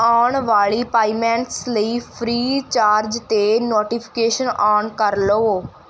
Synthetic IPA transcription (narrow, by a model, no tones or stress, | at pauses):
aːɳʋaːɭiːpaːimɛ̃ːɳʈsləiːpʰɾiːt͡ʃaːɾd͡ʒt̪eːnoːʈiːpʰɪ̥keːʃənaːɳkəɾloː